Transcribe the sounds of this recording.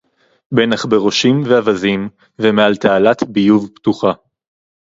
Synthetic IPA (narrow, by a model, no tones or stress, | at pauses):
benaχbe̞ʁo̞ʃimveavazim | vemealt̪ealat̪bijuvpt̪uχa